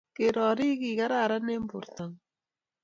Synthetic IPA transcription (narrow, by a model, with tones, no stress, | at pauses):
ke˨ɾɔ˨ɾi˦ki˨ka˦ɾa˦˨ɾa˦ne˦mbʊ̰˨ɾta˨ŋ